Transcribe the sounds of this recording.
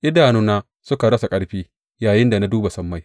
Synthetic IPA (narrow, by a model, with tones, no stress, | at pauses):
ʔɪ˦daː˨nuː˦naː˦ | sʊ˦ka˨ɽɐ˦sa˨kʼɐ˦ɽɸiː˦ | jaː˨jɪ˦nda˨na˦duː˦ba˨sɐ˦mːa˦˨j